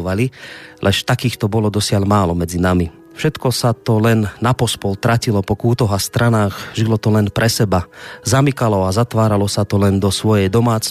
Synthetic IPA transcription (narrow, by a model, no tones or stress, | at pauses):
ʋalilʔɛʃt̪akiːxt̪ɔbɔlɔd̪ɔsɪaʎmaːlɔmɛd͡zinami | fʃɛt̪kɔsat̪ɔlɛnːapɔspɔlt̪ɾacilɔpɔkuːt̪ɔɦast̪ɾanaːɣʒilɔt̪ɔlɛnpɾɛsɛbazamikalɔazat̪ʋaːɾalɔsat̪ɔlɛnd̪ɔsʋɔjɛjd̪ɔmaːt͡s